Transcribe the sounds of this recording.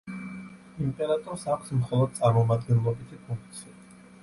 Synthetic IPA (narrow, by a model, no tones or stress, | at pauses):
impʼɛɾat̪ʼɔɾsakʰsmχɔlˠɔd̪̚t̪sʼaɾmɔmad̪̚ɡɛnlˠɔbit̪ʰipʰũŋk̚ʰt̪sʰia